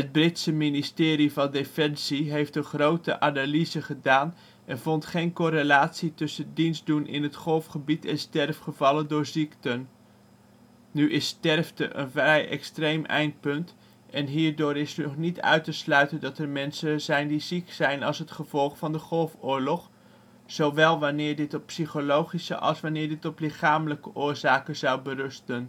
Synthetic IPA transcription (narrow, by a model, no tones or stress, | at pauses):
ɦəd̚brɪtsəministɪːɾivɑndefɛnsiɦejftdəχrowtə̰ʔaːnalizəχədaːn | ʔɛnvɔntχejnkɔɾelaːtsitɵsədinzdunʔɪ̰nɦətχɔlˠfχəbitɪstɛrfχəvɑləndʊːɹziktən | yʔɪstɛrftə̰ʔə̰nvrɛjʔɛ̰kstrejmʔɛ̰jnt̚pɵnt | ɛnɦiːɹdʊːɾɪsynɔχnitœ̰ɥtəslœɥtəndɑtəɹmɛnsəzɛjndiziksɛjnɑlˠsɦətχəv̥ɔlˠχfɑndəχɔlˠfʊːɹlɔχ | z̥owʋɛlˠʋanɪːɹdɪtɔpsiχolowχisə̰ʔɑ̰lˠsʋanɪːɹdɪtɔplɪχaːmələkəʔʊːɹzaːkəzɑwbərɵstən